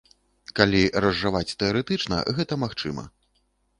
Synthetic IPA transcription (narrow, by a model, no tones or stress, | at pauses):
kalʲirɐzːɨvat͡sʲt̪ɛɔɾɛt̪ɨt͡ʂnɐ̰ɣɛt̪ɐmaxt͡ʂɨmɐ̰